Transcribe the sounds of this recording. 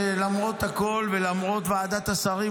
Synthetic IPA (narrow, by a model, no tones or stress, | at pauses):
lamʁo̞t̪hako̞lvelamʁo̞t̪vaːd̪at̪asaʁi